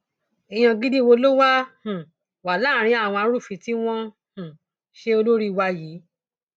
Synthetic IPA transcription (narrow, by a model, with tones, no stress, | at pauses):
i˨j̃ɔ̃˧ɡi˦di˦wo˧lo˦wa˦hũ˨ | wa˨la˦˨ɾ̃ĩ˧˦a˦˨w̃ɔ̃˧a˧˦ɾu˦˨fi˧˨ti˦w̃ɔ̃˦ | hũ˨ | ʃe˧o˧lo˦ɾi˦˨wa˧jiː˨˦